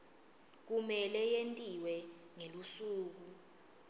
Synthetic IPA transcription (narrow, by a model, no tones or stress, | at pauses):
k̬umɛlɛjentʼiwɛ | ŋelusuːk̬u